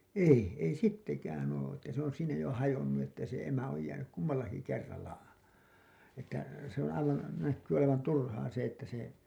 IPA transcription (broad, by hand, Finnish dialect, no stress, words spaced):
ei ei sitːekæːn oː etːæ se on siːnæ jo hɑjonːu etːæ se emæ oj jæːnyk kumːɑlːɑki kerːɑlːɑ etːæ se õː ɑiʋɑn nækːyː oleʋɑn turhɑː se etːæ se